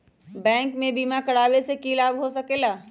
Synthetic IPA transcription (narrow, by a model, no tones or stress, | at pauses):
bɛ̃ːŋkmẽbiːmakɐɽaːwesekiːlaːbɦosɐkeːlaː